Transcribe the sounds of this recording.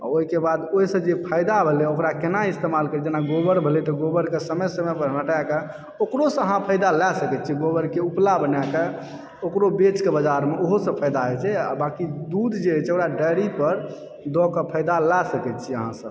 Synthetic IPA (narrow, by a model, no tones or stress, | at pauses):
a̰oɦikebad̪oisə̃d͡ʒepʰəjd̪abʱeleokɾakenaist̪emalkəɾid͡ʒenaɡobəɾbʱelɛt̪ɔɡobəɾkesəməjsəməpəɾnəʈake | okɾosə̃əɦãpʰəjd̪alɛsəkɛt̪̚t͡ʃʰiɡobəɾkeuplabənake | okɾobet͡ʃkebəd͡ʒaɾmeʔoɦosə̃pʰəjd̪aɦɛt͡ʃʰɛa̰bakid̪ud̪d͡ʒet͡ʃʰɛokɾaɖəɾipəɾ | d̪ɔkəpʰəɪd̪alɛsəkɛt̪t͡ʃʰiə̰ɦã̰səb